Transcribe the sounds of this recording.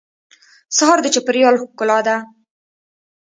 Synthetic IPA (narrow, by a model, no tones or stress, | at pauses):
saɦɑɾd̪ət͡ʃepəɾjɑlhʊkːʊlɑd̪a